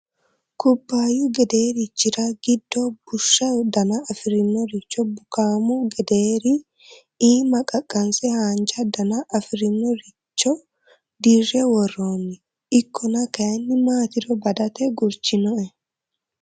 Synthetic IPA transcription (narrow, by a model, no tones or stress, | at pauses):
kʊbːaːjuɡɛd̪eːɾɪt͡ʃːɪɾɐɡ̥ɪd̪ːɔb̥ʊʃːɐd̪ɐnɐːfɪɾɪnːɔɾɪt͡ʃːɔbʊkaːmuɡɛd̪eːɾi | iːmɐkʼɐkʼːɐnsɛhaːnt͡ʃɐd̪ɐnɐʔɐfɪɾɪnːɔɾɪ | t͡ʃːɔ | d̪irːɛwɔrːoːnːɪ | ɪkʰːɔnɐkɐjɐnːɪmaːt̪ɪɾɔbɐd̪ɐt̪ɛɡʊɾt͡ʃɪnɔʔɛ